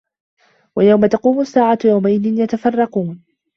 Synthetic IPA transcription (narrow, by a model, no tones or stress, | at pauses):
wajawmat̪ɑquːmʊsːaːʕajawmaʔɪðɪnjat̪afɑrˤːɑquːn